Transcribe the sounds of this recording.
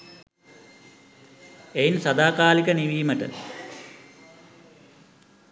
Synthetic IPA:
ejnsɐd̪aːkaːlikəniʋiːməʈə̰

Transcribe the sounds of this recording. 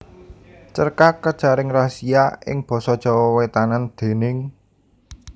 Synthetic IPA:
t͡ʃərkakəd̥ʒ̥a̤ɾɪŋrasiaʔɪ̰ŋb̥ɔ̤sɔd̥ʒ̥ɔ̤wɔwet̪anand̪̥e̤nɪŋ

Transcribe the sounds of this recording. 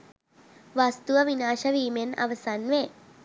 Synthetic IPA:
ʋast̪uʋɐʋinaːʃɐʋiːmena̰ʋɐsanʋe

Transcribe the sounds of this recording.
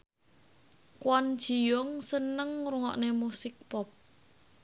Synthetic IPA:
kwɔnd̥ʒ̥i̤jʊŋsənəŋruŋɔ̰ʔnemusɪk̚pɔp̚

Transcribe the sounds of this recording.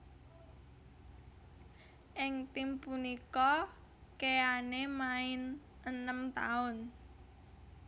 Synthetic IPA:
ʔɪŋt̪impunikɔ | keanemaɪn | ənəmt̪a̰ʊn

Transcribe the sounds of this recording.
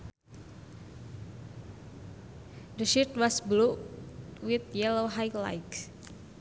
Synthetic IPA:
dəʃit̪̚wasblu | wit̪̚jɛloɦajla̰jk

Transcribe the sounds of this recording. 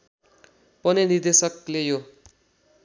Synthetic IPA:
pʌnenird̪esʌklejo

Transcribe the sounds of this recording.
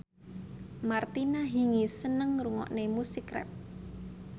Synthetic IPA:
mart̪inaɦiŋisənəŋruŋɔ̰ʔnemusikɾɛ̰p̚

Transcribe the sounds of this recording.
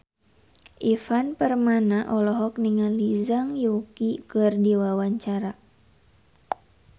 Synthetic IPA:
ʔifanpərmanaʔɔlɔɦɔk̚niŋalizaŋjukikɨrdiwawaɲt͡ʃaɾa

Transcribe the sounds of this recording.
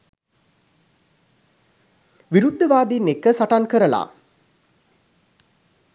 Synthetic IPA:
ʋiɾud̪ʱːɐʋaːd̪inːekːəsaʈankəɾəla̰ː

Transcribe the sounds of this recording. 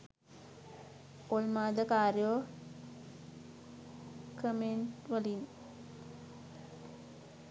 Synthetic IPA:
olmaːd̪əkaːɾjoʋ | kəmeɳʈʋəlin

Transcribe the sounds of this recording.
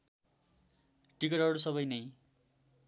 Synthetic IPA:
ʈikʌɾɦʌɾusʌβʌjnʌj

